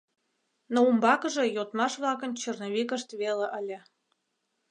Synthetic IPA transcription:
noumbɑkə̆ʒĕjot̪mɑʃβlɑkə̆nt͡ɕərnoβikəʃt̪βeleʔəlʲĕ

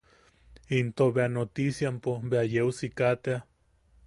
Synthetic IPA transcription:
int̪oβeanot̪isjampobeajeusikat̪ea

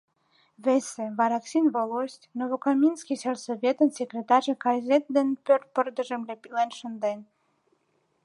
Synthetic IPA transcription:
veseβɑɾɑksʲinβolosʲt̪ʲnoβokɑmʲinskʲisersoβʲet̪ənsʲekrʲet̪ɑʒəkɑzʲet̪̚d̪enpørt̪̚pərd̪ə̆ʒemlʲepilenʃə̆nd̪en

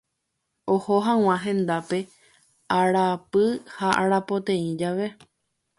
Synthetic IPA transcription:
ohoɦãw̃ãɦẽ̞nd̪ape̞ | aɾapɨhaʔaɾapo̞t̪ẽ̞ĩd͡ʒaʋe̞

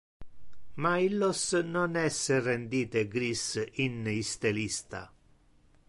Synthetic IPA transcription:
mailːosnɔnɛsːerend̪iːt̪eɡɾisinist̪elist̪a̰

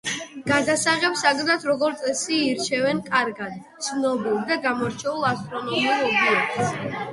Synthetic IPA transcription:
ɡ̥ad̪asaʁɛpsaɡnat̪ʰɾɔɡɔɾt̪sʼɛsiːɾt͡ʃʰɛvɛnkʼaɾɡad̪t̪sʰnɔbilˠd̪aɡamɔɾt͡ʃʰɛulˠast̪ʼɾɔnɔmiulɔbiɛks

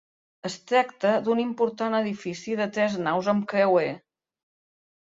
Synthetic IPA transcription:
əst̪ɾakt̪əd̪unimpuɾt̪anəðifisiðət̪ɾɛznawzəmkewe

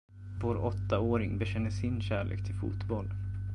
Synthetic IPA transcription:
voːɾɔt̪ːaoːɾɪŋbɛɕɛnːəsɪnɕæːɭḛːkt̪ʰɪlfṵːt̪bɔlː

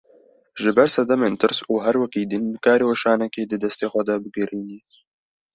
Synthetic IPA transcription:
ʒɪbɛɾsɛd̪ɛmeːnt̪ɨɾsuːɦɛɾwɛkiːd̪ɨnbɨkaːɾeːwaʃaːnɛkeːd̪ɨd̪ɛst̪eːxʷɛd̪ɐbɨɡɨɾiːniː

